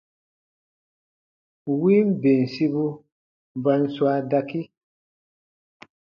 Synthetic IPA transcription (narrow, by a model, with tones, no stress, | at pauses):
wi˦m˦be˨n˨si˦bu˦ | ba˦nswa˦da˦ki˦